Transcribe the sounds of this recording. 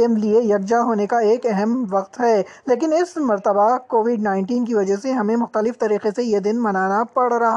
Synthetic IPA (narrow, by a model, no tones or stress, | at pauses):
emliejɐɡ̚d͡ʒaɦoːnekaeːkɛɦɛmʋɐqt̪ɦɛː | leːkɪnɪsmɐɾt̪əbakoːʋɪɖnaːɪ̃ɳʈiːnk̬iʋɐd͡ʒəseɦɐmẽmʊxt̪əlɪft̪ɐɾiːqesejed̪ɪnmɐnaːnapɐɽɾɐɦa